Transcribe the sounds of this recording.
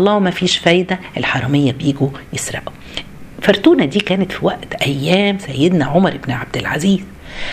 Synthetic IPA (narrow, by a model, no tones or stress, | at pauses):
lˤːɑːwemæfiːʃfæːjd̪æʔelħɑɾˤɑmejːæbjiːɡujesɾˤɑ̰ʔu | fɑɾˤt̪uːnæd̪iːkæːnet̪fiwæʔt̪ʔæjːæːmsæjːed̪næʕomɑɾˤʔebnʕab̚d̪ɪlʕa̰ziːz̥